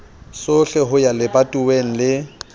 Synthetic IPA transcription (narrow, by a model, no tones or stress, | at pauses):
sʊɬɛɦʊjalɪbatʼuweŋ̩lɪ